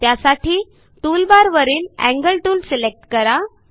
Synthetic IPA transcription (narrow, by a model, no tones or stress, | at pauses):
t̪jasaʈiː | ʈulbaɾʋəɾiːnæ̰̃ŋɡəlʈuːlselek̚ʈkəɾa